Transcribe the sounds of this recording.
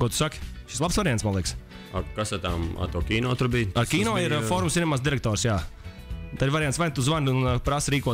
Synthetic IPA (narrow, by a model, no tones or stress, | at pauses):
kɔt̪u̥sakʲʃislˠapsvaɾiansmanliɛks | akasat̪ama̰t̪uɔkʲiːnɔːt̪uɾbijaɾkʲiːnɔːiɾfɔɾumsinɛmaːsd̪iɾɛk̚t̪ɔːɾsjaː | t̪aɾvaɾjansvajnt̪uzvanunpɾasɾiːkuɔ